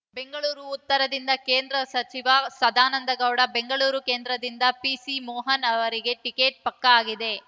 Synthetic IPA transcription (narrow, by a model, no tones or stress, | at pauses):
be̞ŋɡɐɭuːɾuːt̪ːɐɾɐd̪ind̪ɐkeːnd̪ɾɐsɐt͡ʃiʋɐsɐd̪ʱaːnɐnd̪ɐɡɐwɽɐbeŋɡɐɭuːɾuke̞ːnd̪ɾɐd̪ind̪ɐpisimɔːɦɐnɐʋɐɾiɡe̞ʈike̞ːʈ̚pɐkːɐaːɡid̪e̞